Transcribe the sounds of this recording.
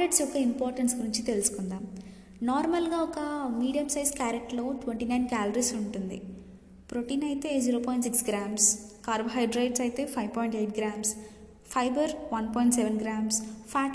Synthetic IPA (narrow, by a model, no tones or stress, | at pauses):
ɾeʈsɔkɐimpoːɾʈɐnsɡuɾiɲt͡ʃit̪elusu̥kund̪aːm | naːɾmɐlɡaːɔkɐmiːɖijɐmsɐjskaːɾekʈlo̞ːʈʋeɳʈinɐjnkaːlɐɾiːsuɳʈund̪ḭ | pɾoʈiːnɐjt̪e̞ːziːɾoːpɔːjɳʈsiksɡɾaːmskaːɾbɦɐjɖɾɐjɖsɐjt̪e̞ːpʰɐjʋpɔːjɳʈeːjʈ̚ɡɾaːms | pʰɐjbɐɾʋɐnpɔːjɳʈseʋenɡɾaːmspʰaːʈ